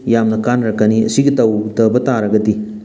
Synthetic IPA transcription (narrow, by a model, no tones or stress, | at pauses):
jamnɐkanɾakːɐniɐ̰siɡitawdɐbɐtaɾɐɡɐdi